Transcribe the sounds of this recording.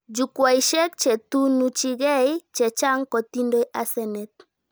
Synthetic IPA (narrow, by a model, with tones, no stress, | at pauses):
d͡ʒu˨kwa˨i˨ʃɛ˦kt͡ʃɛ˨tu˦nu˦t͡ʃi˦ɡɛ˦i˦t͡ʃɛ˨t͡ʃa˦ŋkɔ˨ti˦ndo˦jʔa˨sɛ˨nɛ˨t̪̚